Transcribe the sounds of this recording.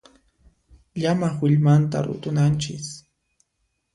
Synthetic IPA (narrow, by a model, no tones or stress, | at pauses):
ʎamaχwɪʎmant̪a̰ɾʊ̰t̪ʊnant͡ʃɪs